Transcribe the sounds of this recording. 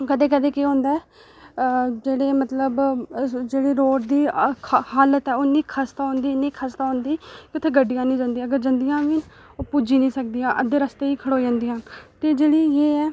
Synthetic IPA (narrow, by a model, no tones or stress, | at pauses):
kəd̪eːkəd̪eːkeõːnd̪ɛː | d͡ʒeːɽeːmət̪ləbd͡ʒeːɽiːɾoːʈd̪iːkʰhaːlət̪ɛːoniːkʰaːst̪aːɦõːnd̪iːniːkʰast̪aːõːnd̪iːkɪʊt̪ʰeːɡəɖijãːnĩːd͡ʒãːnd̪iãəɡəɾd͡ʒənd̪ijãːʋiːn | oːpuːd͡ʒiːnĩːsək̚d̪iːjãːʔəd̪eːɾəst̪eːiːkʰəɽoːd͡ʒãːnd̪iːɦənt̪eːd͡ʒeːɽiːjeːɛː